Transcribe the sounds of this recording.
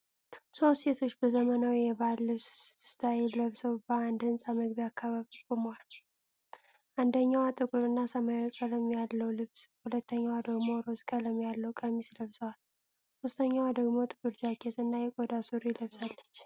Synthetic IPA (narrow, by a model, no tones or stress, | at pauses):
so̞st̪set̪ʰo̞t͡ʃːbəzəmənawijɛballɨβssɨ̥t̪ʰajɛləβsəwbəand̪ɨnsʼaməɡβiakʰːaβaβikʼomwal | ʔand̪əɲːawat̪ʼɨkʼuɾɨnːasəmajikʼələmjalːəwlɨβshulət̪ːəɲːawd̪əɡmo̞ɾozkʼələmjalːəwkʼəmisləβsəwal | so̞st̪ʰəɲːawd̪əɡmo̞t̪ʼɨbɨɾd͡ʒakʰet̪ɨnːajɛkʼod̪asuɾjɪləβsʼalːət͡ʃː